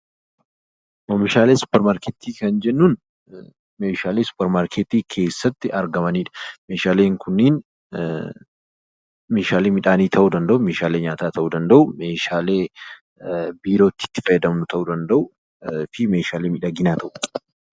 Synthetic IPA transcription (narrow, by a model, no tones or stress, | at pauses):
mɐmɪʃaːle̞ːsʊ̥pːɛɾmaːɾkeːt̪iːkɐnd͡ʒɛnːuːn | me̞ːʃaːleːsʊ̥pːɛɾmaːɾkʰet̪iːkʰe̞ːsːɐt̪ːɪɐɾɡɐmɐniːᶑɐ̥me̞ːʃaːle̞ːŋkʰʊnːiːn | me̞ːʃaːleːmɪᶑaːniːt̪ʰɐʔuːd̪ɐnd̪ɐʔʊme̞ːʃaːle̞ːɲaːt̪aːt̪ɐʔuːd̪ɐnd̪ɐʔʊmeːʃaːle̞ː | biːɾo̞ːt̪ːɪ̥t̪ːɪ̥fɐjɛd̪ɐmnʊt̪ʰɐʔuːd̪ɐnd̪ɐʔʊ | fɪme̞ːʃaːleːmɪᶑaɡɪnaːt̪ʰɐʔʊ